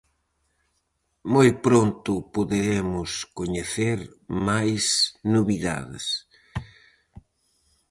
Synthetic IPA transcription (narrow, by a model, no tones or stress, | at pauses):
mojpɾont̪ʊpoðeɾemʊskoɲeθeɾmajsnoβiða̰ðɪ̰s